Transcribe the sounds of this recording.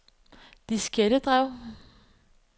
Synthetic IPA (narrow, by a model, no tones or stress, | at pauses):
d̥isɡ̥edəd̥ʁaʊ